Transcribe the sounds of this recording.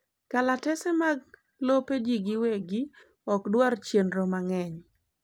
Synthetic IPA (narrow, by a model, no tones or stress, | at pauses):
kalatɛsɛmaɡ | loped͡ʒiɡiweɡi | ɔkdwart͡ʃjenɾomaŋɛɲ